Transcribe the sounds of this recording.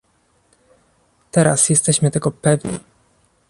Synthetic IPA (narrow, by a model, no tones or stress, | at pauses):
t̪ɛɾa̰sjɛst̪ɛɕmɘt̪ɛɡɔpɛvɲḭ